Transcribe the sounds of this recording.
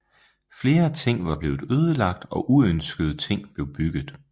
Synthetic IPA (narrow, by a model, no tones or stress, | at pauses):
fle̝ːɐæt͡sʰe̝ŋ̰ʋɑ̈b̥le̝ːʊð̩ˠøːð̞ˠəlɑ̈ɡ̥̚d̥ɒ̽ʔuønsɡ̥əð̞ˠt͡sʰe̝ŋ̰b̥le̝ʊb̥yɡ̥ð̩ˠ